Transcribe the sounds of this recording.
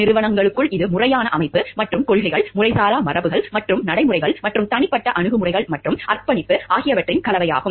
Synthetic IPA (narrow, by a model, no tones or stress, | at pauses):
nɪɾɯʋɐɳɐŋɡɐɭɯkːɯɭɪðɯmʊrɐjaːnɐʔɐmɐɪpːɯmɐʈrɯmkɔɻɣɐɪɣɐɭmʊrɐɪsaːlaːmɐrɐʋɯɣɐɭmɐʈrɯmnɐɽɐɪmʊrɐɪɣɐɭmɐʈrɯmt̪ɐɳɪpːɐʈːɐʔɐɳɯɣɯmʊrɐɪɣɐɭmɐʈrɯmɐrpɐɳɪpːɯaːɣɪjɐʋɐʈrɪnkɐlɐʋɐja̰ːɣɯm